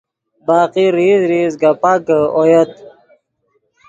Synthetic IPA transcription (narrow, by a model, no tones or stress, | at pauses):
baːqiɾizɾizɡapaɡəojət̪̚